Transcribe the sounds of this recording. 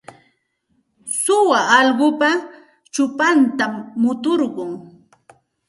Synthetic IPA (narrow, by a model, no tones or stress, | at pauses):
sʊwaʔɑʎɢʊpa | t͡ʃʊpant̪amːʊt̪oɾɢʊŋ